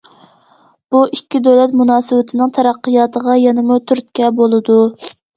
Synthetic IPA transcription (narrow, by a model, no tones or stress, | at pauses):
b̥uikʲːid̪øwlɛt̪munɑːsɨwɪt̪ʰɪnɪŋt̪ʰɛɾæqːɨjɑːt̪ʰəʁɑjɛnɨmut̪ʰyɾt̪̚kʲɛbolˠɨd̪u